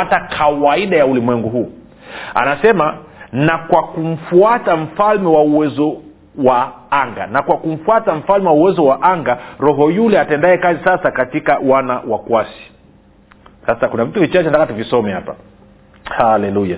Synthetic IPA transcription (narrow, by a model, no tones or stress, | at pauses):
atakʰawaiɗajaulimwɛŋɡuɦuː | a̰nasɛmanakwakum̩fuatam̩falmɛwauwɛzɔ | waaŋɡa̰nakwakum̩fuatam̩falmɛwauwɛzɔwaʔaŋɡaɾɔɦɔjulɛatɛndaɛkazisasakatikawanawakuasi̥ | sasakunavituvit͡ʃat͡ʃɛntakatuvisɔmɛhapa | halɛluja